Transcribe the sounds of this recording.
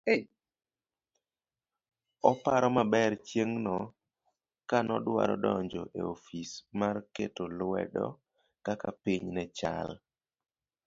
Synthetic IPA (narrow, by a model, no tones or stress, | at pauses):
ɔpaɾɔmabɛrt͡ʃjeŋnɔ | kanɔdwa̰ɾɔdɔɲd͡ʒɔʔḛofismarketolwɛ̰dɔ̰ | kakapiɲnɛt͡ʃa̰l